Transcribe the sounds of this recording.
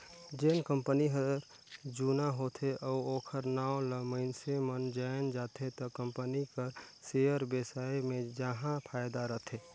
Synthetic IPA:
d͡ʒeːnkəmpəniɦəɾ | d͡ʒunaɦot̪ʰeʔɔoːkʰəɾnaːoləməɪnsemənd͡ʒajnd͡ʒaːt̪ʰet̪ɔkəmpənikəɾsejəɾbesaemẽd͡ʒaɦãpʰaːjd̪aɾəɦt̪ʰe

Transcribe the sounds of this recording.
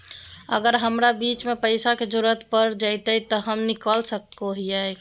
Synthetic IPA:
ə̰ɡəɾɦəmɾabiːt͡ʃmẽpəɪsaked͡ʒʊɾət̪pəɾd͡ʒaɪt̪əit̪ɔɦəmnɪkəlsəkoɦiɛ

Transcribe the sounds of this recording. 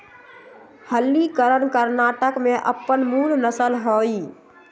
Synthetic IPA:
həlːikəɾənkəɾnaːʈəkmẽʔə̰pːənmuːlnəsəlɦoːi

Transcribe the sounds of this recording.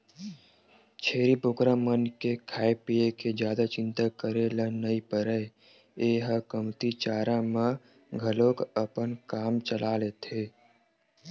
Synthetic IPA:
t͡ʃʰeːɾipʊkɾamənkekʰaːjpieked͡ʒjaːd̪at͡ʃɪ̃nt̪akəɾelanəipəɾəe | eːɦəkəmt̪it͡ʃaːɾãmã | ɡʱəlõkəpənkaːmt͡ʃəlaːlet̪ʰeː

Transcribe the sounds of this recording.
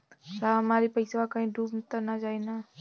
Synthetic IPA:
samaːɾipəjsakaĩɖuːmt̪anad͡ʒaːina

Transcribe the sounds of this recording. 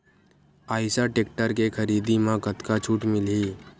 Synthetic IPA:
aːɪsaʈeːk̚ʈəɾkekʰəɾiːd̪imãkət̪kat͡ʃʰuːʈmɪliː

